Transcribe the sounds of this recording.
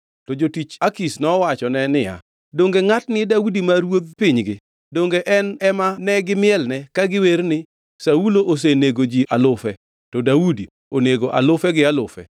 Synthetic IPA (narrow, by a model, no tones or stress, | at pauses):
tɔd͡ʒotit͡ʃakisnɔwat͡ʃɔnɛnɪja̰ | doŋɡeŋatnɪdaudimaɾwod̪̚pɪɲɡɪ | doŋɡeʔɛnɛmanɛɡɪmɪɛlnɛkaɡɪweɾnɪ | sauloʔos̬eneɡod͡ʒiʔalʊfɛ | tɔdaudi | oneɡoʔa̰lʊfɛɡɪalʊfɛ̰